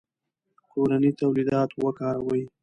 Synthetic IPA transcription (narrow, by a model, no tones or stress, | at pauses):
kʰoɾanit̪awlid̪ɑt̪wəkɑɾawəj